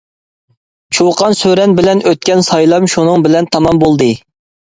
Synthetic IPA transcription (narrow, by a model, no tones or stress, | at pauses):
t͡ʃʰoqʰɑnsøɾɛnbɪlɛnøt̪̚kʲɛnsɑjlˠɑmʃunɨŋbɪlɛnt̪ʰɑmɑmbolˠd̪ɨ